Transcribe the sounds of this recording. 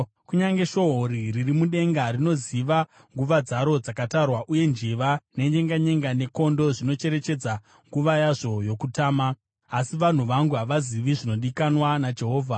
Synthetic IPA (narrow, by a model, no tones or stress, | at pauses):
kuɲaŋɡe̞ʃo̞ɦoɾiririmuɗe̞ŋɡarino̞ziʋa | ŋɡuʋad͡zaɾo̞d͡zakatarwaʔuje̞nd͡ʒiʋane̞ɲeŋɡaɲe̞ŋɡane̞ko̞ndo̞ʐino̞t͡ʃe̞ɾe̞t͡ʃe̞d͡za | ŋɡuʋajaʐo̞jo̞kutaːmaː | siʋan̤uʋaŋɡuɦaʋaziʋiʐino̞ɗikanwanad͡ʒe̞ɦo̞ːvʱa